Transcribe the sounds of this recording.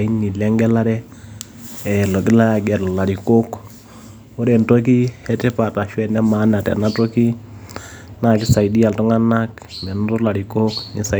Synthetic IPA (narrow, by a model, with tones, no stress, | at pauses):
i˦ni˨lɛ˦ŋɡɛ˦la˦ɾɛ˦ | ɛlo˨k̬i˦la˦ja˨ɡɛ˨ɾɔ˨la˨ɾi˨ko˦k | o˦ɾɛ˨nto˦k̬i˦ɛ˦tɛ˦pa˨ta˨ʃwɛ˨nɛ˦ma˨˦na˨tɛ̰˨na˦to˦ki˦ | na˨ki˦sa˨i˨di˦a˨ltɔ˦ŋa˦na˦k | mɛ˨n˦ɾɔ˦la˨ɾi˨ko˦kni˨sa˨